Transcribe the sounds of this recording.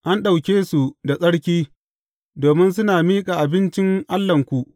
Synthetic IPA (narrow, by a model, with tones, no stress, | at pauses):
ʔa˦nɗa˨wkʲeː˦su˨da˨sʼɐ˦ɽkʲiː˦ | doː˨mɪ˦ns̬ʊ˦naː˨miː˦kʼaː˨ʔa˨bɪ˦nt͡ʃɪ˦ŋʔa˦lːɐ˨ŋkʷu˨ʔ